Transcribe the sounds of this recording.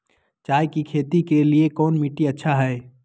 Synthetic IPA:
t͡ʃaːekikʰet̪ikeliekɔːnmiʈiətːʃʰaɦɛe

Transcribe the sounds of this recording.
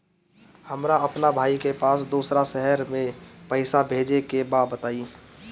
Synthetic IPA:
həmɾaɐpnabʱaːikepaːsd̪uːsɾaʃɛɦɛɾmẽpəɪsabʱeːd͡ʒekebaːbət̪aːiː

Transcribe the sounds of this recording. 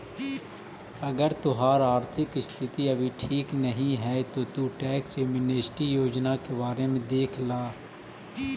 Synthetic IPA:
ɐɡəɾt̪ʊɦaːɾaːɾt̪ʰɪkɪst̪ʰɪt̪iɐbʱiʈʰiːknəɦĩɦɛːt̪ot̪uʈɛːksemɪneːsʈijoːd͡ʒnakebaːɾemẽd̪eːkʰlaː

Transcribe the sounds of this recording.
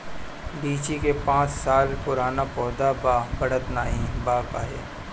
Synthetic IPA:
biːt͡ʃikepãːt͡ʃsaːlpʊɾaːnapɔːd̪abaːbɐɽət̪naːɦĩbaːka̰ːɦḛː

